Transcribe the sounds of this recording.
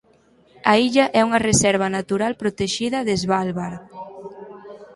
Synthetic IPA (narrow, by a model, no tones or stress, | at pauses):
ɐiʎɐʔɛuŋɐresɛɾβ̞ɐnat̪uɾalpɾot̪eʃiðɐðezβalβaɾ